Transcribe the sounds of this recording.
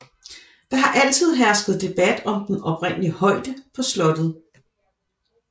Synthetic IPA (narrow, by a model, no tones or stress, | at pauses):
ʋiɦɑ̈ʔæl̰t͡sʰið̞̰ˠɦæɐsɡ̥ð̞̩ˠd̥e̝b̥æd̥ɒ̽md̥enɒ̽pʰʁen̰əliəhɒ̽ɪd̥əpʰɒ̽slɒ̽d̥ð̩ˠ